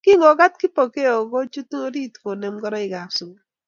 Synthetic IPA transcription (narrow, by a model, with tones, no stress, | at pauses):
kɪ˦ŋɔ˨ɡa˦t̚kɪ˦po˨ke˦o˨ɡo˦t͡ʃu˦tŋo˦ɾi˦tko˨ne˨mɡɔ˦ɾɔ˦ɪ˨ɡa˨su˨ɡ